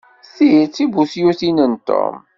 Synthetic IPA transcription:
sit͡sːibusjuθinənt̪o̰m

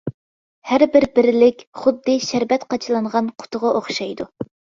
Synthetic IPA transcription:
hæɾbɪɾbɪɾɪlɪkʲχʊd̪ːɨʃæɾbɛt̪qʰɑt͡ʃʰlˠɑɴʁɑnqʰʊ̥t̪ʰʊʁɑʔoχʃɑjd̪u

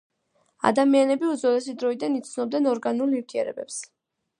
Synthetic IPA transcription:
a̰d̪amianɛbiuzɔɾɛsid̪ɾɔid̪anit̪sʰnɔbd̪ɛnɔɾɡanuliɾt̪ʰiɛ̰ɾɛ̰bɛps

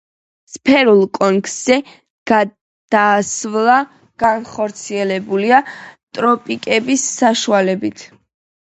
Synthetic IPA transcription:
spʰɛɾulˠkʼɔŋksɛ | ɡ̥a | d̪̥aːsvlˠa | ɡ̥anχɔɾt̪sʰiɛlɛbuliat̪ʼɾɔpʼikʼɛbisːaʃualɛbit̪ʰ

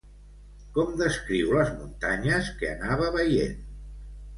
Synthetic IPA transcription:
kɔmd̪əskɾiwləzmunt̪aɲəskeənaβ̞əβəjḛn

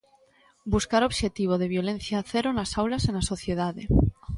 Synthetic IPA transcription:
buskaɾo̞βʃe̞t̪iβ̞o̞ð̞e̞β̞jo̞le̞n̟θjaθe̞ɾonasawlase̞naso̞θje̞ð̞aðe

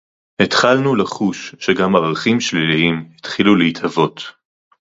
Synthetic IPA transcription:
hetχalnulaχuʃːeɡamaʁaχimʃliliimhit̪χilulehithavo̞t

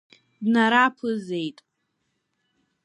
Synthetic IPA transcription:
dnaɾapʰɨze̞jtʼ

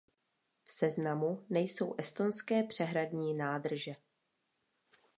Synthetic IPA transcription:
fsɛznamunɛjso̞wʔɛst̪o̞nskɛːpr̝̥ɛɦɾadɲiːnaːd̪r̩ʒɛ

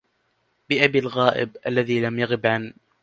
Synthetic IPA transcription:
bɪʔabiːlɣaːʔɪ̰bʔalːaðiːlamjaɣɪbʕan

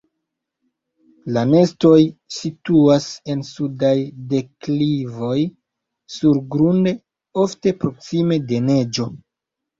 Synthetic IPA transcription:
lane̞sto̞jsituase̞nsudajde̞klivo̞j | suɾɡɾunde̞ | o̞fte̞pɾo̞ksime̞de̞ne̞d͡ʒo̞

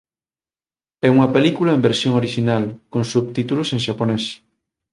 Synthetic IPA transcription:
ɛuŋɐpelikulaẽmbeɾsjõŋoɾiʃinalkõnsuβ̚t̪it̪ulʊsẽŋʃaponɛs

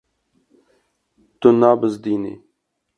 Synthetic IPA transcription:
t̪unaːbəzd̪iːnḭ

